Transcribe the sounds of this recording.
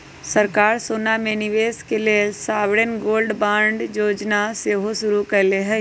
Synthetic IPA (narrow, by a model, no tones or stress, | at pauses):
səɾkaːɾsoːnamẽnɪʋeːskeliesaːʋɽənɡoːlɖbãːɳɖjoːd͡ʒnaseɦoʃʊɾukɐɾleɦɛ